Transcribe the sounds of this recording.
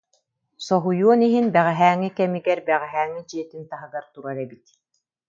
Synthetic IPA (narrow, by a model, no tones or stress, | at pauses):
sɔɦujuɔniɦinbɛʁɛɦæːŋːikɛmiɡɛɾbɛʁɛɦæːŋːid͡ʑiɛt̪int̪aɦɯɡaɾt̪uɾaɾɛbit̪